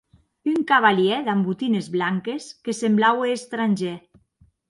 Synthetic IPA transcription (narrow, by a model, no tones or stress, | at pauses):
yŋkaβaljɛðambut̪inezβlaŋkeskesemblaweːst̪ɾanʲʒɛ